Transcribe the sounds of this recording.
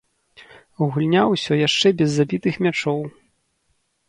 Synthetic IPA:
uɣulʲnʲawsʲɔjaʂt͡ʂɛbʲɛzːabʲit̪ɨxmʲat͡ʂɔw

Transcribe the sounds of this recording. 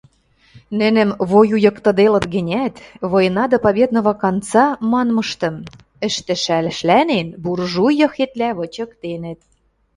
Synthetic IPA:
nɘ̆nɘ̆mβojujɤ̆kt̪ɤ̆d̪elɤ̆t̪ɡɘ̆nʲæt̪βojə̆nɑd̪ɑpɑβʲed̪nŏvɑkɑnt͡sɑmɑnmɤ̆ʃt̪ɤ̆m | ə̆ʃt̪ɘ̆ʃælʃlænenburʒujɤ̆xet̪læβɤ̆t͡ɕɤ̆kt̪enə̆t̪̚

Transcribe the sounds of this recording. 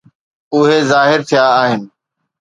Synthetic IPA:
ʊɦezaːɦɪɾt̪ʰijaːɦɪnɪ̆

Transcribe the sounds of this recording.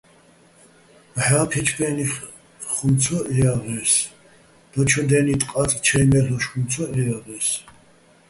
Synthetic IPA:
mħaːpʰɛt͡ʃʰbɛni | χumt͡sʰɔʔɛjaʁɛs | d̪̥ɔt͡ʃʰɔd̪ɛnit̪ʼqʼat͡s̪ʼt͡ʃʰɛmɛlɔʃχumt͡sʰɔɛaʁɛːs

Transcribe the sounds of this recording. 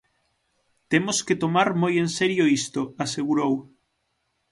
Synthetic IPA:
t̪emosket̪omaɾmojenseɾjoist̪oaseɣuɾow

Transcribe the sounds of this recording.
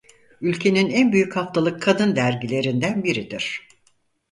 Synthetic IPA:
ylʲcʰe̞ninænbyjychaft̪ʰalˠɯkʰːad̪ɯnd̪æɾɟilʲe̞ɾind̪ænbiɾid̪iɾ̝̥

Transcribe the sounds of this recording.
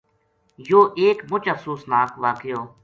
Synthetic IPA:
joːʔeːkmʊt͡ʃəfsuːsnaːkʋaːkɪjoː

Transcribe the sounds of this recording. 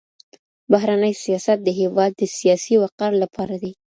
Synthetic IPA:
baɦɾanəjsijɑsat̪̚d̪əɦewɑd̪ːəsijɑsiwaqaɾlapʰɑɾad̪i

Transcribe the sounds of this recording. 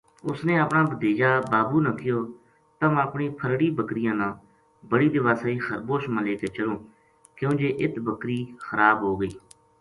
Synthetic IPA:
ʊsnẽːəpɳãːbəd̪eːd͡ʒaːbaːbuːnãːkɪjoː | t̪əməpɳiːpʰəɾɽiːbəkɾɪjãːnãː | bəɽiːd̪ɪʋaːsaːiːxəɾboːʃmãːleːkeːt͡ʃəlõː | kjõːd͡ʒeːʔɪt̪bəkɾiːxəɾaːbɦoːɡəiː

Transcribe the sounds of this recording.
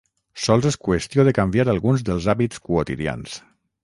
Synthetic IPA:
sɔlˠzɛskwest̪ijoðekambjaɾalˠɣunzðəlˠzaβit͡skuot̪iðja̰ns

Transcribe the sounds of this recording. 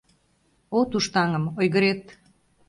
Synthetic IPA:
ot̪uʃt̪ɑŋə̆mojɣəɾet̪

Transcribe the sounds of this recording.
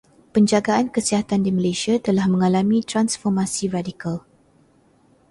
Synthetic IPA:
pəɲd͡ʒaɡaʔankəsiɦat̪andiməlesiat̪əlahmə̃ŋalamĩt̪ɾansfɔrmasiradikal

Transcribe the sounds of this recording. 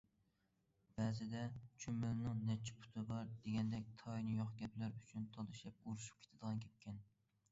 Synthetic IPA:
b̥ɛzɪd̪ɛt͡ʃʰymɪlnɨŋnɛt͡ʃʰi̥pʰu̥t̪ʰɨbɑɾd̪̥eɡʲɛnd̪ɛk̚ʲt̪ʰɑjnɨjoχɡʲɛplæɾyt͡ʃʰynt̪ʰɑlˠɨʃɛp̚uɾuʃu̥p̚kʲʰe̥t̪ʰɪd̪əʁɑnkʲʰɛp̚kʲɛn

